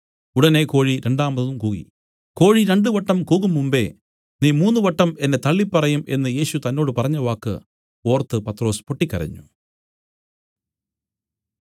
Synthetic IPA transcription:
uɽɐne̞ko̞ːɻiɾe̞ɳɖaːmɐðumkuːɣḭ | ko̞ːɻiɾe̞ɳɖɨʋɐʈːɐmkuːɣumːumbe̞̰ | niːmuːnːuʋɐʈːɐme̞nːe̞t̪ɐɭːipːɐrɐjumʔe̞̰nːɨje̞ːɕut̪ɐnːo̞ːɽɨpɐrɐɲːɐʋaːkːɨ̰ | o̞ːrt̪ːɨpɐt̪ːro̞ːspoʈːikʲːɐ̰rɐ̰ɲːṵ

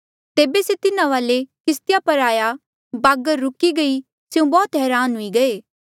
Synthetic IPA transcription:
t̪eːbeset̪ɪnãʋaːlekɪst̪ɪjapɐɾaːja | baːɡəɾːʊkiɡɐi | sjũbɔːt̪ɦɛːɾaːnɦʊiɡɐeː

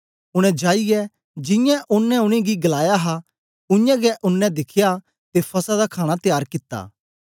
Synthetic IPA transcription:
ʊɽ̃ɛ̃d͡ʒaːiɡɛ | d͡ʒɪ̃jãʔʊnːɛ̃ʊɽ̃iɡiɡɐlaːjaɦa | ʊ̃jãɡɛʔʊnːɛ̃d̪ɪkʰja | t̪epʰɐsad̪akʰaːɽ̃at̪jaːɾkɪt̪ːa̰ː

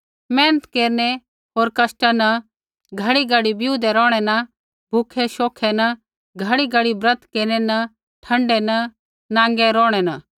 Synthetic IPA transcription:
mɛ̃ːnət̪keːɾnɛ | ɦoːɾkɐsʈanɐ | ɡʱɐɽiɡɐɽibɪjuːd̪ɛɾɔːɽ̃ɛnɐ | bʱukʰɛʃoːkʰɛnɐ | ɡʱɐɽiɡɐəɽibɾɐt̪keːɾnɛnɐ | ʈʰɐ̃ɳɖɛnɐ | nãːŋɡɛɾɔːɽ̃ɛnɐ

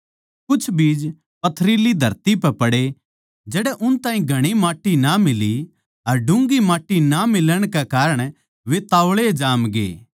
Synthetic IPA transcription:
kʊt͡ʃʰbiːd͡ʒ | pɐt̪ʰɾiːlid̪ʱɐɾt̪ipɛpɐɽe | d͡ʒɛːɽɛʔʊnt̪ãːĩɡʱɐɽ̃imaːʈːinamɪli | ɐɾɖʊ̃ŋɡimaːʈːinamɪləɽ̃kekaːɾəɽ̃ | ʋet̪aːʋɭed͡ʒaːmɡḛː

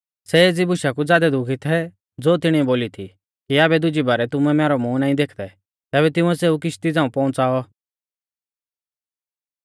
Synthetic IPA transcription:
sɛeːd͡zibʊʃakud͡zaːd̪ɛd̪ʊkʰit̪ʰɛ | d͡zoːt̪ɪɽ̃iɛboːlit̪ʰḭ | kiaːbɛd̪ʊd͡ʒibɐɾɛt̪ʊmɛmɛːɾɔmũːnãːĩd̪eːkʰd̪ɛ | t̪ɛːbɛt̪ɪ̃ũɛseːuk̬ɪʃt̪id͡zãːũpɔ̃ːʊ̃nt͡saːɔ

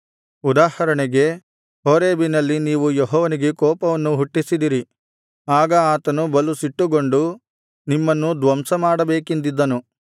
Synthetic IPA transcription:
ud̪aːhɐɾɐɳɛɡe̞ | ɦoːɾeːbinɐlːiniːʋujeɦɔːʋɐniɡe̞kɔːpɐʋɐnːuɦuʈːisid̪iɾi | aːɡɐaːt̪ɐnubɐlusiʈːuɡo̞ɳɖu | nimːɐnːud̪ʋɐmsɐmaːɽɐbeːkend̪id̪ːɐnu

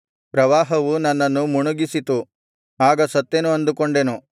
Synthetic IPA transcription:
pɾɐʋaːɦɐʋunɐnːɐnːumuɳuɡisit̪u | aːɡɐsɐt̪ːenuɐnd̪ukoɳɖe̞nu

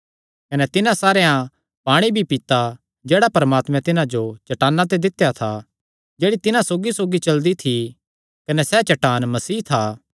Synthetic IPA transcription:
kɐnɛt̪ɪnãsaːɾejã | paːɽ̃ibʱipɪt̪a | d͡ʒɛːɽapɐɾəmaːt̪mɛ̃t̪ɪnãd͡ʒot͡ʃɐʈaːnːãt̪̬ed̪ɪt̪jat̪ʰa | d͡ʒeːɽit̪ɪnãsoːɡisoːɡit͡ʃɐld̪it̪ʰi | kɐnɛsɛt͡ʃɐʈaːnmɐsiːt̪ʰaː

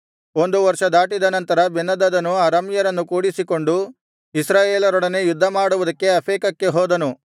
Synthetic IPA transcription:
o̞nd̪uʋɐɾʂɐd̪aːʈid̪ɐnɐnt̪ɐɾɐbenːɐd̪ɐd̪ɐnːuɐɾɐmjɐɾɐnːukuːɽisiko̞ɳɖu | isɾaːjeːlɐɾɔɽɐnejud̪ʱːɐmaːɽuʋud̪ɐkːe̞ɐpʰeːkɐkːe̞ɦɔːd̪ɐnu

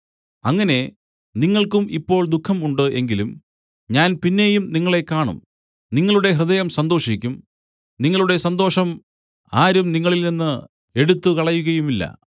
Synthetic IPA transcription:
ɐŋːɐne̞ | niŋːɐɭkumipːo̞ːɭd̪ukʰːɐmuɳɖɨʔe̞ŋɡilum | ɲaːnpinːe̞jumniŋːɐɭe̞kaːɳṵm | niŋːɐɭuɽe̞ɦrɨðɐjɐmsɐnd̪o̞ːʂikʲːum | niŋːɐɭuɽe̞sɐnd̪o̞ːʂɐm | aːɾumniŋːɐɭilninːɨ | e̞ɽut̪ːukɐɭɐjːuɣɐjumilːɐ̰

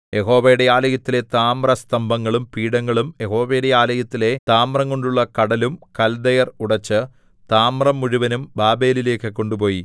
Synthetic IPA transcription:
je̞ɦo̞ːʋɐjɽejaːlɐjɐt̪ːile̞t̪aːmrɐst̪ɐmbʱɐŋːɐɭumpiːɽɐŋːɐɭumje̞ho̞ːʋejɽe̞jaːlɐjɐt̪ːile̞t̪aːmrɐŋko̞ɳɖuɭːɐkɐɽɐlumkɐld̪ɐjɐruɽɐt͡ɕːɨ | t̪aːmrɐmːuɻuʋɐnumbaːbe̞ːlile̞ːkːɨkːo̞ɳɖupo̞ːji

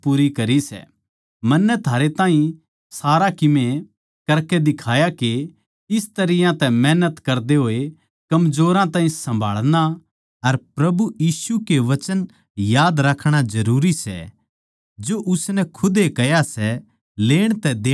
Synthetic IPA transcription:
puːɾikɐɾisɛ̰ | mɐnːɛt̪ʰaːɾet̪ãːɦĩ | saːɾakɪmẽ | kɐɾked̪ɪkʰaːjake | ɪst̪ɐɾɪjãt̪ɛmɛːnət̪kɐɾd̪eɦoːe | kɐmzoːɾãt̪ãːɦĩsɐ̃mbʱa̰ːɭɽ̃a | ɐɾpɾɐbujiːsukeʋɐt͡ʃən | jaːd̪ɾɐkʰːɽ̃azɐɾuːɾisɛ̰ | d͡ʒoʔʊsnɛkʰʊd̪ekɛjasɛ | leːɽ̃t̪ɛd̪eː

